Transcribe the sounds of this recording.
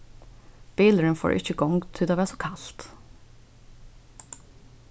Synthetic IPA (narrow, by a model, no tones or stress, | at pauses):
b̥iːləɹənfo̰ːɹʔɪ̰çəɡɔŋɡt̪ʰɪloːʋæːsɔkʰɑlt̪